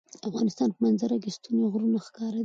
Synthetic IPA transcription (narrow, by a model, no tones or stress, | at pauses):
afɣɑnɪst̪ɑnpəmanzaɾakɪst̪unoɣɾunaxkɑɾa